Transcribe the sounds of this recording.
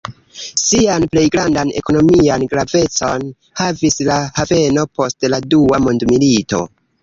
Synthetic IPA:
sianple̞jɡɾandane̞̰ko̞no̞mianɡɾave̞t͡so̞n | havislahave̞no̞po̞stladuamondmilito̞̰

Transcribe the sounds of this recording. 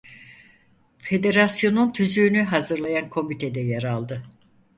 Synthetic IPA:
fe̞d̪e̞ɾasjo̞nunt̪ʰyzyːnyɦazɯɾlˠajankʰo̞mit̪ʰed̪ɛjaɾalˠd̪ɯ

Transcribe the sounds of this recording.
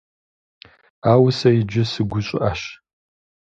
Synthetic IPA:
aːwsɐjid͡ʒɪsɨɡʷʊɕʼɪ̰ʔaɕ

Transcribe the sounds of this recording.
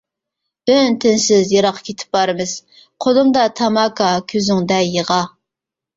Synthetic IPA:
b̥ønt̪ʰɪnsɪzjɑɾɑqʰːɑ̥kʲʰet̪ʰɪ̥p̚bɑɾɨmɨz̥ | qʰolˠɨŋd̪ɑt̪ʰɑmɑkʰɑkʲʰøzyŋd̪ɛjeʁɑ

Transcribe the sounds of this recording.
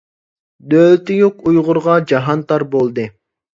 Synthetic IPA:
d̪ølt̪ɪjuqujʁʊɾʁɑd͡ʒɑɦɑnt̪ɑɾbolˠd̪ɨ

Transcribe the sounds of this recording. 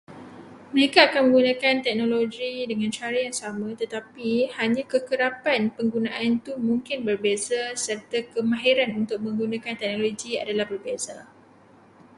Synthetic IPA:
məɾekaːkanmə̃ŋɡunãkant̪ɛk̚nõloɡidəŋãnt͡ʃaɾijaŋsamãt̪ət̪apihaɲãkəkəɾapanpəŋɡunãʔant̪umuŋkɪnbərbezasərt̪akəmãɦiɾanunt̪ʊk̚mə̃ŋɡunãkant̪ɛk̚nõloɡia̰dalahbərbeza

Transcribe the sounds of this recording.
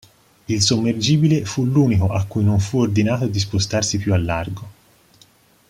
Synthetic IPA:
ilsomːerd͡ʒiːbilefuluːnikoʔakːujnoɱfuord̪inaːt̪od̪ispost̪arsipjualːarɡo

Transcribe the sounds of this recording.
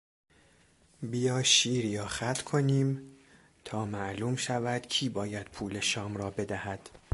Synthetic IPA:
bijɒːʃiːɾijɒːxæt̪ʰkʰoniːm | t̪ʰɒːmæʔluːmʃævæd̪̥cʰiːbɒːjæd̪̥̚pʰuːle̞ʃɒːmrɒːbe̞d̪æhæd̪̥

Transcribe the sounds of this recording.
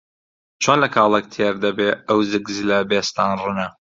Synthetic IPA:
t͡ʃʰonlɐkʰɑːlˠɐk̚t̪ʰeɾd̪ɐbeɐwzɨɡzlɐbeːst̪anrɨnɐ

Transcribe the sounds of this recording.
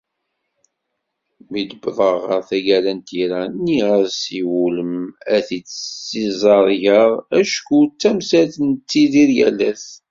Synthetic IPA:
mid̪əbðˤəʁəɾθæɡælænt̪iɾænːiʁəɾsiwuləmæθit͡sːsizˤɑɾˤʝəʁæʃkut͡sːæmsæθənt͡sːiðiɾjæ̰læθ

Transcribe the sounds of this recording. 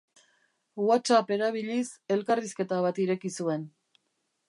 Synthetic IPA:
wat͡sape̞ɾaβ̞iʎise̞lkariske̞t̪aβat̪iɾe̞kisue̞n

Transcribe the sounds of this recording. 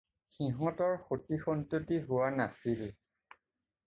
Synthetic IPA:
xiɦɔ̃tɔɹxotixɔntutiɦʊwanasil

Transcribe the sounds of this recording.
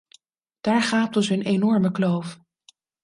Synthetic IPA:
d̥aːɹχaːp̚tɔsɦɵnenɔɹməklowf

